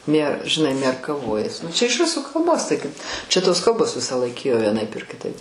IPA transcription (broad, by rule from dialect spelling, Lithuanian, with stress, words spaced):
mʲiɛ ʒʲɪˈnɐɪ mʲiɛrkɐˈʋoːjɛs nʊ t͡ʃʲɛ ɪʃ ˈrʊsuː kɐlˠˈboːs tɐɪ kɐɪp t͡ʃʲɛ toːs ˈkɐlˠboːs ˈʋʲɪsɑːˌlˠɐɪk ˈeːjoː ʋʲiɛˈnɐɪp ɪr kʲɪˈtɐɪp